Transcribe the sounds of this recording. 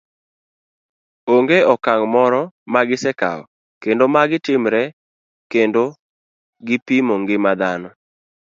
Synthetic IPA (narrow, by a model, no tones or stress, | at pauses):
oŋɡeɔkaŋmɔɾɔmaɡɪsɛka̰ɔ̰ | kendomaɡɪtɪmɾɛ | kendo | ɡɪpimoŋɡɪmad̪anɔ